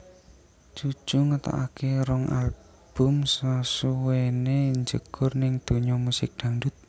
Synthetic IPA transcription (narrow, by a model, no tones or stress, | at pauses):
d͡ʒ̥u̥ʒ̥uŋət̪a̰ʔa̰kʰeɾɔŋal | b̥ʊ̤msasuweneɲd͡ʒəɡ̥ʊ̤rnɪŋd̪̥o̤ɲɔmusɪk̚d̪̥a̤nɖʊt̪̚